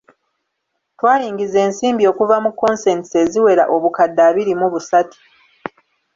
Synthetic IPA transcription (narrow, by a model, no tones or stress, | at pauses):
twaːɾiːŋɡize̞ːnsiːmbio̞ːkuvamukːo̞nse̞ntise̞ziwe̞ɾa̰ʔo̞βukadːaːβiɾimuβusati̥